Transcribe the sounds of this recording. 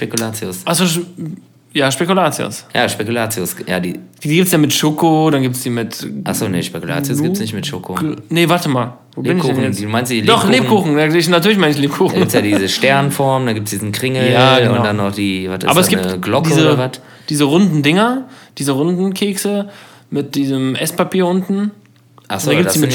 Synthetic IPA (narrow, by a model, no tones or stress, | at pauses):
ʃpekulaːt͡sjosʔaχsoː | jaːʃpekulaːt͡sjo̰sja̰ːʃpekulaːt͡sjosja̰ːdḭːd̥iːdiːɡip̚tsjaːmɪtʃokodanɡiːptsd̥iːmɪtʔa̰χsoːnḛʃpekula̰ːt͡sjosɡiːtsnɪçtmɪtʃoːkonəvaɐtəmaːl | voːbɪnnɪudːɛjɛduːmaɪnstd̥ildɔχleːbkʰuːχŋ̩daɪçnatʰyːɐlɪçmaɪnɪçleːpkʰuːxɡn̩ip̚tsjaːdizəʃtɛɐnnfɔɐmndanɡiːp̚tsd̥iːzn̩kʁ̥ɪŋəljaːdanaχd̥iːvataːbɐɛsɡ̥iɡlɔkdiəzːəɐvat | d̥iːzəʁʊndn̩dɪŋɐd̥iːzəʁʊndn̩kʰeːksə | mɪt̚d̥iːzəmʔɛspapʰiːɐʔʊntn̩ | ʔastːdanɡipdsiːɪ